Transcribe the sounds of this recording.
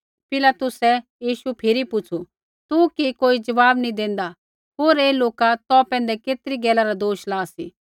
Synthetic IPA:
pɪlaːt̪ʊsɛjiːʃupʰɪɾipʊt͡ʃʰu | t̪ukikoːid͡ʒɐʋaːbnĩd̪ẽːn̆d̪a | ɦoːɾeːloːkat̪ɔpɛ̃ːnd̪ɛkeːt̪ɾiɡɛːlaɾad̪oːʃlaːsḭ

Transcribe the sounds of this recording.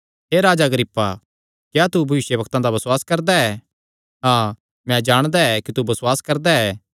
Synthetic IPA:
ɦeːɾaːd͡ʒaɡəɾɪpːa | kjat̪ubʱɐʋɪʃjəbɐkt̪ãd̪abɐswaːskɐɾd̪aɛː | ɦãː | mɛ̃d͡ʒaːɽ̃d̪aɛkit̪ubɐswaːskɐɾd̪aɛː

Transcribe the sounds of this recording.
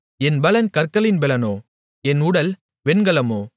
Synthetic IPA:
ɛnbɐlɐnkɐɾkːɐlɪnbɛlɐnoː | ɛnʊɽɐl | ʋɛɳɡɐlɐmoː

